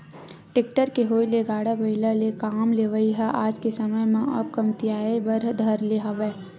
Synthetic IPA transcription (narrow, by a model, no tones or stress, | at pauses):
ʈɪk̚ʈəɾkeɦoːileɡaːɽabɐɪlalekaːmleʋəiɦaʔaːd͡ʒkesɐməjmẽɐb̚kɐmt̪ijaːebɐɾd̪ʱɐɾleɦɐʋɛː